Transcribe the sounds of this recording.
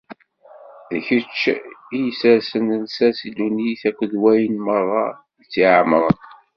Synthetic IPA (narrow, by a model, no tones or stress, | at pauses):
ðçət͡ʃːijsəɾsənənsæsid̪uniθækʷːəðwæjənmərˤːɑ | ðət͡sːiʕamɾˤən